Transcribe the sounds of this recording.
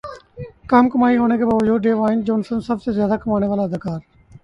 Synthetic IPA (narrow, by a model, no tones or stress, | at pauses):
kamkəmaːiɦoːnekʰeːbaːʋəd͡ʒuːd̪ɖeːʋaːɪnd͡ʒoːnsənsəbsezjaːd̪aːkəmaːñeːʋaːlad̪ʱkaːɾ